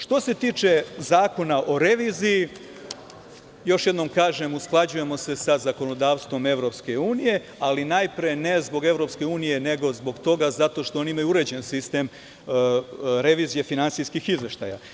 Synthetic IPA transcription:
ʃt̪o̞se̞t̪iːt͡ʃezaːko̞naʔo̞ɾe̞ʋiːziji | jo̞ʃje̞d̪no̞mkaːʒe̞musklˠad͡ʑuje̞mo̞se̞sazako̞no̞d̪aːʋst̪ʋo̞me̞ʋɾo̞pske̞uːnije̞ | alinajpɾene̞zbo̞ɡe̞vɾo̞pske̞uːnije̞ne̞ɡo̞zbo̞ɡt̪o̞ɡazat̪o̞ʃt̪o̞oniimajuuɾe̞d͡ʑe̞nsist̪em | ɾe̞ʋiːzije̞finantsijskixizʋe̞ʃt̪a̰ja̰

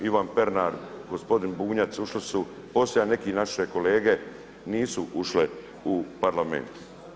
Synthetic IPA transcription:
iʋanpe̞ɾnaɾɡospo̞d̪inbuːɲat̪suʃlisu | po̞slʲeane̞kinaʃeko̞le̞ːɡe̞ | niːsuʔuʃle | upaɾlamḛnt̪

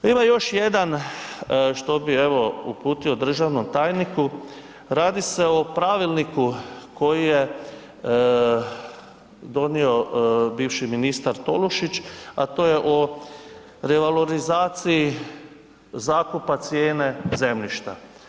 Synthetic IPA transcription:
imajo̞ʃjed̪an | ʃt̪o̞bie̞ʋo̞upuːt̪io̞d̪ɾr̩ʒaʋnomt̪aːjniku | ɾaːd̪ise̞opɾaʋilˠnikuko̞jije | d̪o̞nio̞biːʋʃiminist̪aɾt̪o̞luʃit͡ʃa̰t̪o̞ːje̞ʔo | ɾeʋaloɾizaːt̪sii | zaːkupat̪sjeːne̞ze̞mʎiʃt̪a̰

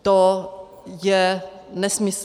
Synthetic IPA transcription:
t̪ɔ | jɛ | nɛsmɪs

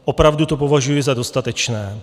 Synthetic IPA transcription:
ʔopɾavdut̪opo̞vaʒujɪzado̞st̪at̪ɛt͡ʃnɛː

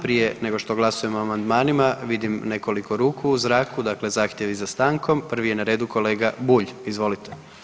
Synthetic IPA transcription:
pɾije̞ne̞ɡo̞ʃt̪o̞ɡlˠasuje̞moamand̪maːnimaʋid̪imne̞ko̞likʰoɾuːkʰuuzɾaːkud̪akle̞zaːxt̪je̞ʋizast̪aːŋkʰo̞mpr̩ʋijenaɾe̞ːd̪uko̞le̞ːɡabuʎizʋo̞lit̪ʰe

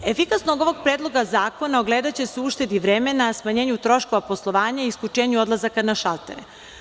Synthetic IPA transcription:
efikasnoɡo̞ʋo̞ɡ̚pɾeːd̪lˠo̞ɡazaːko̞naoɡle̞ːd̪at͡ɕe̞seuʃt̪e̞d̪iʋɾemenasmaɲeːɲut̪ɾo̞ʃko̞ʋapo̞slˠo̞ʋaːɲaiiskʲut͡ʃe̞ːɲuo̞d̪lˠazakanaʃalt̪ḛɾe

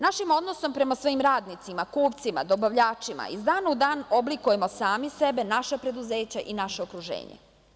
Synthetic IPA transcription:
naʃimo̞d̪noso̞mpɾe̞masʋo̞imɾaːd̪nit̪simakuːpt̪sima̰d̪o̞baʋʎaːt͡ʂima̰izd̪aːnaud̪aːno̞blikuje̞mo̞saːmise̞be̞naʃapɾe̞d̪uzeːt͡ɕaʔinaʃeokɾuʒḛːɲḛ

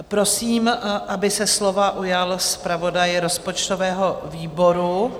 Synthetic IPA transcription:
pɾo̞siːmʔabɪsɛslo̞vaʔujalspɾavo̞dajɾo̞spo̞t͡ʃt̪o̞vɛːɦo̞viːbo̞ɾu

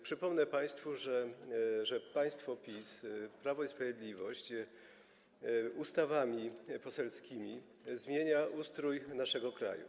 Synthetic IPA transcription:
pʂɘpɔmnɛpaj̃st̪fuʐɛʐɛpaj̃st̪fɔpʲispɾavɔispɾavʲjed̪lʲivɔɕt͡ɕ | ust̪avamʲipɔsɛlskʲimʲi | zmʲjeɲaʔust̪ɾujnaʂɛɡɔkɾa̰jṵ

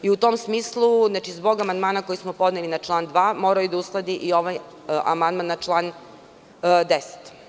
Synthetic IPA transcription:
iut̪o̞msmiːslˠuznaːt͡ʃizbo̞ɡamand̪maːnako̞jismopo̞d̪nelinat͡ʃlˠaːnd̪ʋaːmo̞ːɾajud̪ausklˠad̪iʔio̞ʋaj | ʔa̰mand̪manːat͡ʃlˠaːn | d̪ese̥t̪

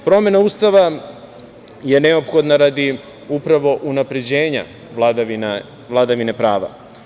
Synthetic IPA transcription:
pɾo̞mje̞nauːst̪aʋa | je̞ne̞o̞pxo̞d̪naɾad̪i | upɾaʋo̞ʔunapɾe̞d͡ʑe̞ːɲa̰ | in | ʋlˠad̪aʋine̞pɾaːʋa̰

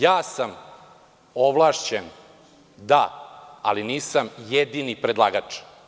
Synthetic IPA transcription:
jaːsam | oʋlˠaːʃt͡ɕen | d̪a̰ːliniːsamjed̪inipɾed̪lˠa̰ːɡat͡ʂ

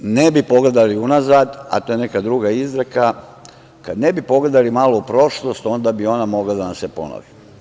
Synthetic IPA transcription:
nebipo̞ɡle̞d̪aliunazad̪a̰t̪oje̞ne̞kad̪ɾuɡaizɾaka | kad̪ne̞bipo̞ɡle̞d̪alimaːlo̞upɾo̞ʃlo̞st̪o̞nd̪abio̞namo̞ɡlad̪anamsepo̞̰no̰ʋi

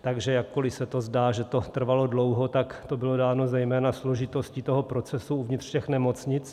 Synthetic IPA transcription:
t̪aɡʒɛjakːo̞lɪsɛt̪o̞zdaːʒɛt̪o̞t̪r̩valo̞dlowɦot̪akt̪o̞bɪlo̞daːno̞zɛjmɛːnaslo̞ʒɪt̪o̞scit̪oɦopɾo̞t͡sɛsuuvɲɪt̪r̥cɛxnɛmo̞t͡sɲɪt͡s

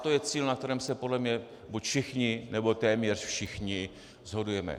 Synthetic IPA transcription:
t̪ojɛt͡siːlnak̚t̪ɛɾɛːmsɛpodlɛmɲɛ | bucfʃɪxɲɪnɛbo̞t̪ɛːmɲɛrfʃɪxɲɪ | zɦo̞dujɛmɛ̰

